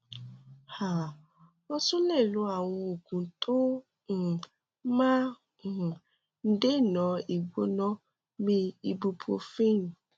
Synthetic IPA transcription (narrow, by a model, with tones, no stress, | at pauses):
ha˨ | ɔ˦sũ˦lɛ˦˨lu˨˦a˨w̃ɔ̃˧o˨ɡũ˨tʰo˦˨ | mã˦˨ | n̩˦de˦˨nɔ̃˨˦i˨ɡ͡bo˧˦nɔ̃˦ | mi˦i˧bu˧pʰo̰˧fĩ˦n˨